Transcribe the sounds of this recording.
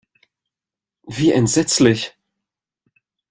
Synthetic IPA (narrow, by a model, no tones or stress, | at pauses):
viːʔɛntz̥ɛt͡slɪç